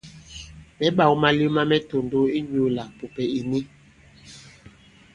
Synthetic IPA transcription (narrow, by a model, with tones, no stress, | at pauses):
mɛ˦ɓa˨wu˦ma˦li˦ma˦mɛ˦to˨ndo˦i˦d͡ʒo˨˦la˨po˨pɛ˨i˨ni˦